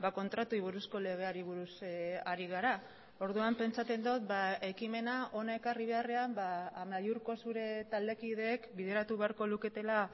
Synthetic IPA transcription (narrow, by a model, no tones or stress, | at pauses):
bako̞nt̪ɾat̪uiβ̞uɾusko̞le̞ɣ̞e̞aɾiβ̞uɾusaɾiɣaɾa | o̞ɾðuampe̞nt͡sat͡s̪e̞nd̪ot̪bae̞kime̞naʔo̞nae̞kariβ̞e̞are̞ambaːmajuɾko̞suɾe̞t̪ald̪e̞kið̞e̞ːkbiðe̞ɾat̪uβe̞aɾko̞luke̞t̪e̞la